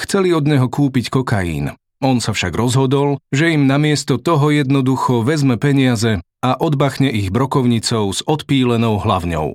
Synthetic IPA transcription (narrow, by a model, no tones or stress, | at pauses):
xt͡sɛliɔd̪ɲɛɦɔkuːpickɔkajḭːn | ɔnsafʃaɡɾɔzɦɔd̪ɔlʒɛimnamɪɛst̪ɔt̪ɔɦɔjɛd̪nɔd̪uxɔʋɛzmɛpɛɲiazɛ | aʔɔd̪baxɲɛʔiɣbɾɔkɔʊɲit͡sɔʊz̥ɔt̪piːlɛnɔʊɦla̰wɲɔ̰ʊ